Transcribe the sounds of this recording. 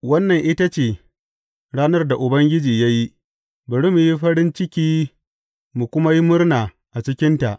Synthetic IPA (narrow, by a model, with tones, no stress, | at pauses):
wɐ˦nːɐ˨ŋʔɪ˦ta˦t͡ʃeː˨ | ɽaː˦nɐ˦rda˨ʔʊ˨bɐ˦ŋɡʲɪ˦d͡ʒiː˨ja˦ji˦ | bɐ˨ɽɪ˦mu˨ji˦ɸɐ˦ɽɪ˦nt͡ʃɪ˦kʲiː˦ | mu˨kʷʊ˦ma˦ji˦mʊ˦rnaː˨ | ʔa˨t͡ʃɪ˦kʲɪ˦nta˨ʔ